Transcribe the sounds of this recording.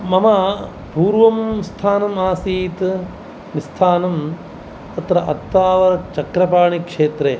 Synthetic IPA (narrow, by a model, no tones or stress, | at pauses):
mɐmɐ | puːɾʋɐmst̪ʰaːnɐmaːsiːt̪ | nist̪ʰaːnɐm | t̪ɐt̪ɾɐʔɐt̪ːaːʋɐɾɐt͡ʃɐkɾɐpaːɳikʂeːt̪ɾeː